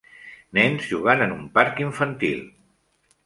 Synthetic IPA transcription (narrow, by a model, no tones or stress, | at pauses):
nɛnzʒuɣanənumpaɾkiɱfənt̪ḭlˠ